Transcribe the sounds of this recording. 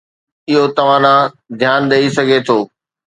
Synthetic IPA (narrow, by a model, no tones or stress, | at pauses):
ɪɦot̪ɐʋ̤ãnã | d̪ʱjaːnɗ̪ɐisɐɡʱet̪ʰoː